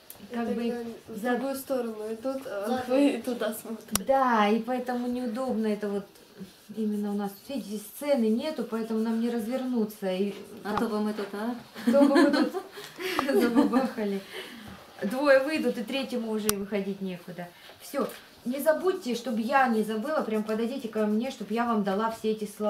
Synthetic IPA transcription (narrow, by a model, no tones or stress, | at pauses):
kaɡbɨzɡujʊst̪oɾənʊɪd̪ut̪ | t̪ʊd̪asmot̪d̪aipɐɛt̪əmʊnʲɪʊd̪o̞bnəɛt̪əvo̞t̪ | imʲɪnːəʊnasvʲidʲɪtʲɪst̪sɛnɨnʲe̞t̪ʊpɐɛt̪əmʊnamnʲɪɾəzvʲɪrnut̪səit̪obɨmɨt̪ut̪t̪obɨmmɨt̪ut̪ | zɐbɨbaxəlʲɪ | d̪vo̞jəvɨjd̪ʊt̪ɨt̪ɾʲetʲjɪmʊːʐɛɪvɨxɐdʲitʲnʲe̞kʊd̪ə | fsʲo̞ | nʲɪzɐbut̚ʲːɪʂt̪o̞bjanʲɪzɐbɨlˠəpɾʲampəd̪ɐdʲitʲɪkɐmnʲe̞ʂt̪o̞bpjavamd̪ɐlˠafsʲeɛtʲɪslˠɐ